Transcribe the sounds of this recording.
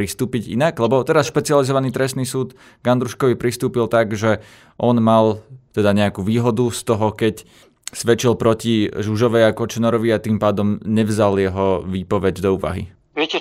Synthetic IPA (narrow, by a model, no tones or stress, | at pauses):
ɾist̪uːpiɟḭnaɡlɛbɔt̪ɛɾasʃpɛt͡sializɔʋaniːt̪ɾɛst̪niːsuːd̪ | ɡand̪ɾuʃkɔʋipɾist̪uːpilt̪aɡʒɛ | ʔɔnmalt̪ɛd̪aɲɛakuːʋiːɦɔd̪ust̪ɔɦɔkɛc | sʋɛt͡ʃilpɾɔciʒuʒɔʋɛjakɔt͡ʃɛnɔɾɔʋiat̪iːmpaːd̪ɔmɲɛʋzaljɛɦɔʋiːpɔʋɛɟd̪ɔuːʋa̰ɦḭ | ʋɛcɛ